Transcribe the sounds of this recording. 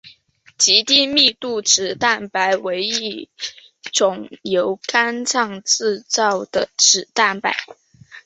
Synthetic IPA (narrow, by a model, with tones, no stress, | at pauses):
t͡ɕi˧˥t̪i˥˧mi˥˧t̪u˥˩ʈ͡ʂɻ̩˨˩t̪a˥˩npa˧˥ɪwe˧˥ɪi˥˩ | ʈ͡ʂʊ˨˩ŋjo˧˥ʊkʰa˥nt͡sʰɑ˥˧ŋt͡sɹ̩˥˧t͡sɑ˥˩ʊd̪̥ə˩ʈ͡ʂɻ̩˨˩t̪a˥˩npa̰˧˦ɪ